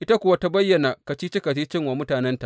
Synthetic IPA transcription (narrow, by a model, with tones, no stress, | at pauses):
ʔɪ˦ta˦kʷʊ˦wa˦ta˦bɐ˦jːɐ˨na˨ka˨t͡ʃiː˦t͡ʃɪ˦ka˨t͡ʃi˦t͡ʃɪ˦ŋwa˨mʊ˦taː˨nɛ˦nta˨